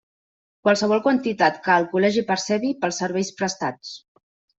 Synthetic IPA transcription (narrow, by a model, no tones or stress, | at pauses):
kwalˠsəβ̞ɔlˠkwənt̪it̪at̪kəːlˠkulɛʒipəɾsɛβipəlˠsːəɾβɛjspɾəst̪at͡s